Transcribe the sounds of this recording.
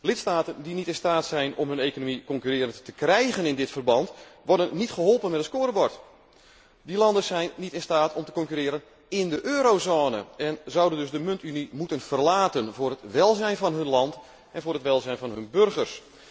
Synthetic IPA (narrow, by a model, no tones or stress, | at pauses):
lɪtstaːtəndinitɪnstaːtsɛjnɔ̰mɦɵneːkonomikɔŋkyrɪːɾənttəkrɛjɣənɪndɪtfərbɑntʋɔrdənːitχəɦɔlˠpənmɛtəspoːɾəbɔɹt | dilɑndəsɛjnːitɪnstaːtʰɔmtə̥kɔŋkyɾɪːɾən | ɪndəʔøːɾowzoːnə̰ʔɛnzɑwdəndɵsdəmɵntynimutənv̥ərlaːtənvʊːrətʋɛlˠzɛjnvɑnɦɵnlɑnt | ɛnvʊːɾɦətʋɛlˠzɛjnvɑnɦɵnbørɣərs